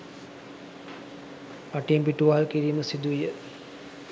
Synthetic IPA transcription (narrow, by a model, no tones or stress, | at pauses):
paʈempiʈuʋaːlkiɾiːməsid̪uʋijə